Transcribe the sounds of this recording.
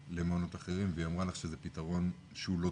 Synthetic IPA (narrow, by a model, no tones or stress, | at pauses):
lemano̞t̪aχe̞ʁimveamʁalaχʃezepit̪aʁo̞n | ʃeulo̞